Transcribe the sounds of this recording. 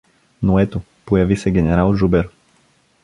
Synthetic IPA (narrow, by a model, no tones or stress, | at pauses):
noɛt̪o | pojavisɛɡʲɛnɛɾalˠʒubɛɾ